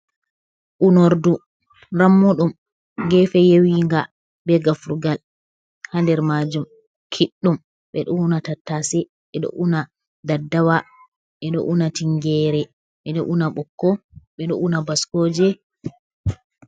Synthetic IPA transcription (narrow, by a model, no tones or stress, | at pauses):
ʔunoɾdu | ɾamːuɗum | ŋɡɛfɛjewiŋɡa | bɛɡafɾuɡal | handɛɾmad͡ʒum | kʰiɗːum | ɓɛɗɔunatatːasɛ | ɓɛɗɔ̰ʔuna | d̪adːawa | ɓɛɗɔ̰ʔunatiŋɡɛɾɛ | ɓɛɗɔ̰ʔunaɓɔkːɔɓɛɗɔ̰ʔunabaskoːd͡ʒɛ